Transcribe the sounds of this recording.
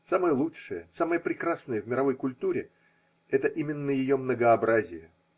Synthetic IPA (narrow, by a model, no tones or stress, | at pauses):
saməjəlˠuʂɨjəsaməjəpɾʲɪkrasnəjəvmʲɪɾɐvo̞jkʊlʲt̪uɾʲɪ | ɛt̪əʔimʲɪnːəjɪjo̞mnəɡəɐbɾazʲɪjə